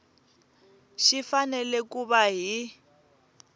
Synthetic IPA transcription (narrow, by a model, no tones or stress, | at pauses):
ʃifanɛlɛkuβaɦi